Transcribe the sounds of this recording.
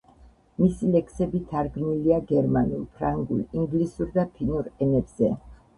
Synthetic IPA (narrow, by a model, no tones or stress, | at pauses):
misilɛksɛbit̪ʰaɾɡmiliaɡɛɾmanulˠpʰɾaŋɡṵliŋɡlisuɾd̪apʰinuɾɛnɛbz̥ɛ